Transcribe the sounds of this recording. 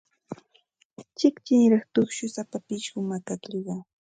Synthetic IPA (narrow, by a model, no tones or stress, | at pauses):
t͡ʃɪkt͡ʃɪnɾɑχt̪ʊχʃʊsapapɪʃɢʊmakakʎiɢɑ